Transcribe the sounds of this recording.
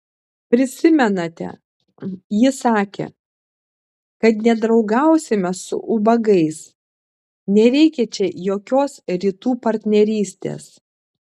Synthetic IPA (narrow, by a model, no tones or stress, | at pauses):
pʲɾʲɪsʲɪmʲɛnɐt̪ʲɛ̰ | jɪsɑːkʲḛ | kɐt̪nʲɛd̪ɾɒʊɡɐˑʊsʲɪmʲɛsʊ̰ʔʊbɐɡɐɪs | nʲɛɾʲɛɪkʲɛt͡ʃʲɛjoːkʲoːsɾʲiːt̪uːpɐɾʲt̪ʲnʲɛɾʲiːsʲt̪ʲḛːs